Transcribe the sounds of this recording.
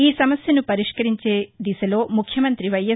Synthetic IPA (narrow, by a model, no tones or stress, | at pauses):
iːsɐmɐsjɐnupɐɾiʃkɐɾiɲt͡ʃeːd̪isɐloːmukʰjɐmɐnt̪ɾiʋɐjɐ